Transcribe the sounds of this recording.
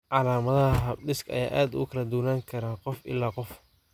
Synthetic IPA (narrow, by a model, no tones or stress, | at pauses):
ʕɑlaːmɐðɐɦɐɦɐbɖɪskɐ̰ja̰ːʔaːd̪ʊkʰɐlɐd̪uːnaːŋkʰɐɾaːqɔfɪ̰lːaːqɔf